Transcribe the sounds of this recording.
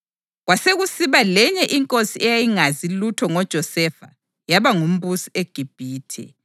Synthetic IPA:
ɣwaseɣusiβalɛɲɛʔiŋkʼosiɛjajiŋazilutʰɔŋɔd̥ʒ̥ʱɔsɛfa̰ | jaβaŋum̩busi̥eɡ̥ʱib̥ʱiːtʰɛ̰

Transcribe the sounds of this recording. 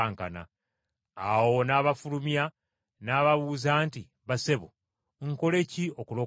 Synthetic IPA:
ŋkana̰ | awo̞naːβafulumja | naːβaβuːzaːnti | βase̞βo | ŋko̞le̞cio̞kulo

